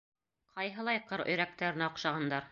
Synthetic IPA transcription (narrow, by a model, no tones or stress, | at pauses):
qʰɑjɦɤ̆lˠɑjqɤɾɵ̰̆jɾæk̚t̪æɾɘ̆næŏqʃɑʁɑnd̪ɑɾ